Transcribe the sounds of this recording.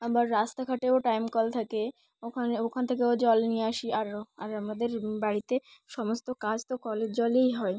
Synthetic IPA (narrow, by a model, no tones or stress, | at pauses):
abaɾːast̪akʰaʈeoʈajmkɔlt̪ʰake | okʰaneokʰant̪ʰek̬eod͡ʑɔlnijeaʃiaɾoaɾamad̪eɾbaɽit̪eʃɔmost̪okad͡ʑt̪okɔled͡ʑd͡ʑɔlejɦɔe